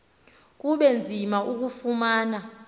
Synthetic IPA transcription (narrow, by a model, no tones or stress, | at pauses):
k̬uɓɛnd͡zʱimaʔuk̬ufumaːna